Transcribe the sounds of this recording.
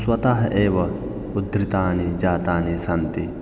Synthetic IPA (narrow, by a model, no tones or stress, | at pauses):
swɐt̪aːɦɐʔeːʋɐ | ud̪ɾit̪aːnid͡ʒaːt̪aːnisɐnt̪i